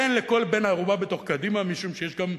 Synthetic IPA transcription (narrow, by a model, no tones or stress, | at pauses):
enleko̞lbenaʁubabet̪o̞χkad̪imamiʃumʃejeʃɡam